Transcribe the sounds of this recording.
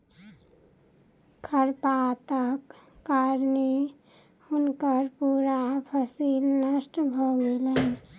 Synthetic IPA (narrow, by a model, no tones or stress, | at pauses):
kʰəɾpat̪əkːaɾne | unkəɾpuɾapʰəsilnəsʈbʱɔɡelən